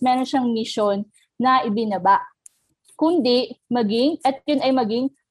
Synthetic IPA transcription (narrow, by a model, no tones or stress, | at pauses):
mɛːɾo̞nʃaŋmɪʃo̞nː | ɐʔɪbɪnɐbaʔ | kʊnd̪ɪmɐɡɪŋʔɛt̪̚jʊnɐjmɐɡɪŋ